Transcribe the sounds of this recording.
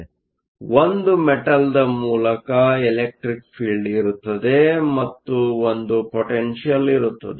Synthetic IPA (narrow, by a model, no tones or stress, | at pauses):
ʋond̪umɛʈɐld̪ɐmuːlɐkɐɛlek̚ʈɾikpʰiːɭɖiɾut̪ːɐd̪e̞mɐt̪ːuond̪upoʈenʃijɐliɾut̪ːɐd̪e